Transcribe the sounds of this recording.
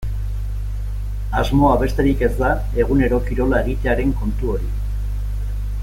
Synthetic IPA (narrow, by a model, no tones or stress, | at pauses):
azmo̞aβe̞st̪e̞ɾike̞zd̪a | e̞ɣ̞une̞ɾo̞kiɾo̞lae̞ɣ̞it̪e̞aɾe̞ŋko̞nt̪uo̞ɾi